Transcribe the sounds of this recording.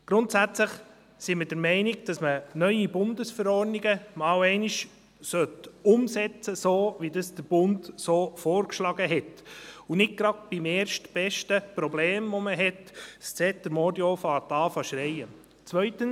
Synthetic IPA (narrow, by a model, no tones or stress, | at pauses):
ɡ̥ɾʊntsæt͡sləχ | sɪmɪdəɾmɛɪniɡd̥ɑsmənœʏibʊndəsfɛɾɔɾniɡəmɑːwɛɪniʃ | sœtʊmsɛt͡səsoːʋidɑsd̥əɾb̥ʊntsoːfɔːɾkʃlɑɡəɦɛtunɪɡ̚ɡ̥ɾɑdb̥imeːɾʃtb̥ɛʃtəpɾɔbleːmʋɔməɦɛtst͡sɛtəɾmodjofɑːtɑːfɑʃɾɛɪə | t͡sʋœʏtəns